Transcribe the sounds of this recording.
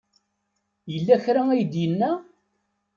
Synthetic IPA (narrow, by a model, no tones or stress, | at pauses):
jəlːæçɾææjəd̪jənːæ